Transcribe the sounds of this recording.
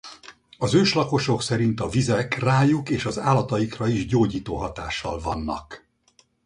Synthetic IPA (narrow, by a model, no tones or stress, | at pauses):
ɒzøːʃlɒko̞ʃo̞ksɛɾint̪ɒvizɛkraːjukeːʃɒzaːlɒt̪ɒjikrɒiʒɟoːɟiːt̪oːɦɒt̪a̰ːʃːɒ̰lvɒ̰nːɒ̰k